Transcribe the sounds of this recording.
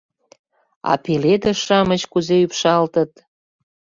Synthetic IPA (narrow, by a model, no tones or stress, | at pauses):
ɑ̰peled̪əʃɑmət͡ɕkuzeypʃɑlt̪ə̆t̪̚